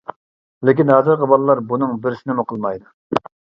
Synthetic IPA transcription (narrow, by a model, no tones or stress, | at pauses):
lɪkʲinɑzɨɾʁɑbɑlˠlːˠɑɾbunɨŋbɪɾsɪnɪmuqʰəlˠmɑjd̪ɨ